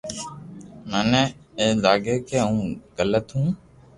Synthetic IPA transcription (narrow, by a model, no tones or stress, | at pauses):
nənɛːẽlaːɡeːkʰeːɦũːɡələt̪ɦũː